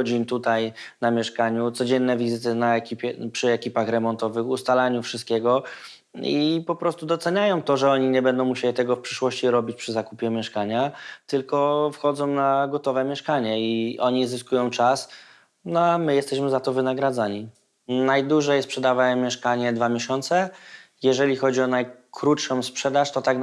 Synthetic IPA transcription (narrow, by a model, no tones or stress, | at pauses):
d͡ʑint̪ut̪ajnamʲjɛʂkaɲut̪sɔd͡ʑɛnːɛvʲizɘt̪̬ɘnaɛkʲipʲjɛpʂɘɛkʲipaxɾɛmɔnt̪ɔvɘxust̪alaɲufʂɨst̪kʲɛɡɔ | ipɔpɾɔst̪ud̪ɔt̪sɛɲajɔ̃w̃t̪ɔʐɛɔɲiɲɛbɛnd̪ɔ̃w̃muɕelʲit̪ɛɡɔfpʂɘʂwɔɕt͡ɕiɾɔbʲit͡ɕpʂɘzakupʲjɛmʲjɛʂkaɲat̪ɘlkɔfxɔd̪zɔ̃w̃naɡɔt̪ɔvɛmʲjɛʂkaɲɛiʔɔɲizɘskujɔ̃w̃t͡ʂas | nɔamɘjɛst̪ɛɕmɘzat̪ɔvɘnaɡɾad̪zaɲi | najd̪uʐɛjspʂɛd̪avamʲjɛʂkaɲɛd̪vamʲjeɕɔnt̪sɛ | jɛʐɛlʲixɔd͡ʑiɔnajkɾutʂɔ̃w̃spʂɛd̪aʂt̪ɔt̪ak